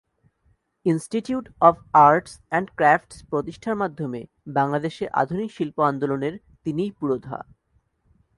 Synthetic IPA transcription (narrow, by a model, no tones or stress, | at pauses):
insʈiʈjuʈɔfaɾʈsɛɳɖkɾafʈspɾot̪iʃʈʰaɾmad̪ʱːome | baŋlad̪eʃeʔa̰d̪ʱunikʃilpoand̪oloneɾ | t̪inijpuɾod̪ʱa̰